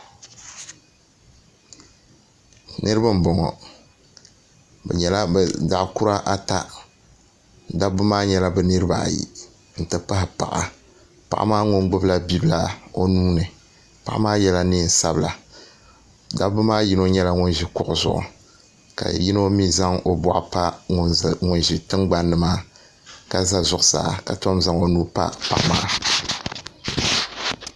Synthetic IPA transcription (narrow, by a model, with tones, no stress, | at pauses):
nʔɨ˦ɾɨ˦ba˦m̩˨bɔ˨ŋɔ̰˨ | bɛ̰˨ɲɛ˨la˦bda˨ʔkʊ˦ɾa˦ʔa˦ta˦ | da˦bɨ˦maː˦ɲɛ˦la˦bɛ˨nɨ˦ɾɨ˦ba̰˨jḭ˨ | n̩˨tɨ˨pa˦ɦɪ˨pa̰˨ʔa̰˨ | pa̰˨ʔa̰˦maː˦ŋʊ˦ŋ˦ɡ͡bʊ˦bla˦bi˦bla˦o˦nuː˦nɨ˨ | pa˨˦ʔmaː˦jɛ˦la˦nɨ˦n̩˨sa˦bla˨ | da˦bʊ˦maː˦ji˦no˦ɲɛ˦la˦ŋʊ˦nʒi˦kʊ˨ʔʊ˨zʊ̰˨ʔʊ̰˨ | ka̰˨ji˦no˦mi˦za˦ŋo˨ba̰˨ʔpa˦˨ | ŋʊ˨nʒi˨tɨ˦ŋɡ͡ba˦nːɨ˨maː˦ | ka˨za˦zʊ˨ʔʊ˨sa̰ː˨˦ka˨to˦mza˦ŋo˦nuː˦pa̰˦pa̰˨ʔa˨maː˦